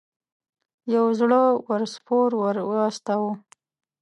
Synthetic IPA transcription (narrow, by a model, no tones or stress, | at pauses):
jawzɽəwəɾspoɾwəɾwəast̪awu